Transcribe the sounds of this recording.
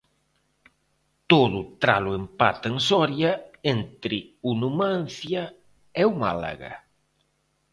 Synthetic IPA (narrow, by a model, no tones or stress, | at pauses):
t̪oðʊt̪ɾa̰lʊempa̰t̪ensɔɾjɐent̪ɾɪunumãn̟θja | ɛuma̰la̰ɣa̰